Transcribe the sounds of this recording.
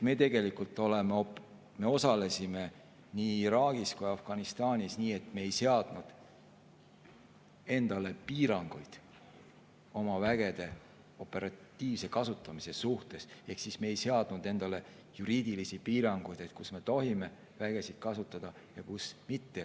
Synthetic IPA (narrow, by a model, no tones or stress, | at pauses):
et̪me̞t̪e̞ɡe̞likult̪ːˑo̞le̞me | me̞o̞sɑle̞sime̞ | niːɾɑːɡ̥iskujɑfɡ̥ɑnist̪ɑːnʲisniːe̞t̪me̞ːjse̞ɑd̪̥nud̪̥ | e̞nd̪̥ɑle̞piːɾɑŋɡ̥ujd̪̥ | o̞mɑvæɡ̥e̞d̪̥e̞ | o̞pːˑe̞ɾɑt̪ːiːvse̞kɑsut̪ːˑɑmise̞suht̪e̞se̞hksismeːjse̞ɑd̪̥nud̪̥e̞nd̪̥ɑle̞ | juɾiːd̪̥ilisipiːɾɑŋɡ̥ujd̪e̞t̪̚kusme̞t̪o̞ɦime̞ | væɡ̥e̞sid̪̥̚kɑsut̪ːˑɑd̪̥ɑ | jɑkusmit̪ːe̞